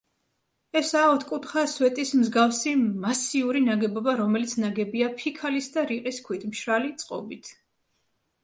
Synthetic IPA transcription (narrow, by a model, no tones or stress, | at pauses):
ɛsaɔt̪ʰkʼut̪χaswɛt̪ʼismzɡafsimasiuɾinaɡɛbɔbaɾɔmɛlit̪sʰnaɡɛbiapʰikʰalisd̪aɾiqʼiskʰwit̪ʰmʃɾalit̪sʼqʼɔ̰bit̪ʰ